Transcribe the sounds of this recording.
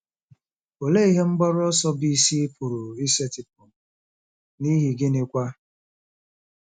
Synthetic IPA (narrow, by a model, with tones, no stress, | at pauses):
o˨le˦i˦ɦe˦ŋ͡m̩˦ɡ͡bɔ˦ɾɔ˦sɔ˦bi˦si˦e˦pʰʊ˨ɾʊ˨i˦se˦tɪ˨p̚ʊ˨ | ni˦ɦi˨ɡɪ˦ne˦kʷa˦